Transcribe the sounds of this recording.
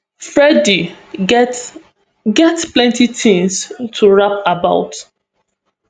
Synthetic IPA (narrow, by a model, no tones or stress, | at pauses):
fɹɛdi | ɡɛtplɛ̃ntitʰĩŋstʰuɹapabaʊt